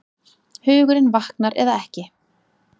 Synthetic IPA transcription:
hʏːɣʏɾɪnvahknaɾɛ̰ðaɛhcɪ

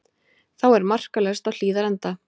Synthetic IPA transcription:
θawɛɾmar̥kalɛst̪awl̥iːðaɾɛnt̪a

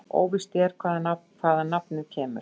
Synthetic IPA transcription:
o̰ːwvɪst̪ɛɾ̥kʰvaːðanakʰvaːðanapnɪðcʰɛːmʏ̰ɾ̥

